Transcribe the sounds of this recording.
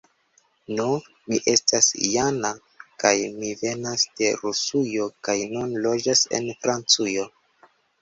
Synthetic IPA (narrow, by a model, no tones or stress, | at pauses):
no | miʔe̞stasjana | kajmive̞nasd̥e̞ɾusujo̞kajnunlo̞d͡ʒase̞̰nfɾant͡sujo̞